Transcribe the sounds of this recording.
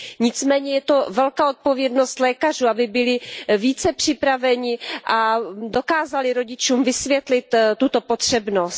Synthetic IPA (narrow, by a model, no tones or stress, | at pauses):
ɲɪt͡smɛːɲɛjɛt̪o̞vɛlkaːʔo̞t̪̚povjɛdnost̪lɛːkar̝uːabɪbɪlɪviːt͡sɛpr̝̥ɪpɾavɛɲɪʔado̞kaːzalɪɾo̞ɟɪt͡ʃuːmvɪsvjɛt̪lɪt̪t̪ːut̪o̞pot̪r̝̥ɛbnost̪